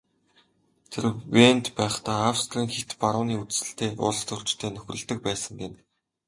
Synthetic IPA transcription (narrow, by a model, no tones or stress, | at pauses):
t̪ʰerwent̪pæːχt̪aːawst̪riːŋxet̪paɾʊːniːut͡ssɘ̆ɬt̪ʰeːʔʊ̰ɮst̪ʊr̥t͡ɕt̪ʰeːnɵxʲrɵ̆ɮt̪ɵ̆k̚pæːsə̆ŋɡen